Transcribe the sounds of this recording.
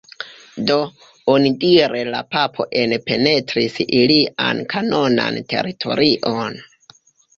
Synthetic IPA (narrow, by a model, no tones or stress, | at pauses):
do̞ | onidiɾe̞la̰papʰo̞̰ʔe̞npe̞ne̞tɾisiliʔa̰nkʰano̞na̰ntʰe̞̰ɾitʰo̞̰ɾiʔo̞n